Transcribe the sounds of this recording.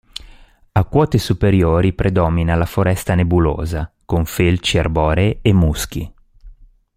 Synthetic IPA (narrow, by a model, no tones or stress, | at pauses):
akwɔːt̪esupeɾjoːɾipɾʔed̪ɔːminalafoɾɛst̪anebulo̰ːzakoɱfelt͡ʃiarbɔːɾeemːusk̟i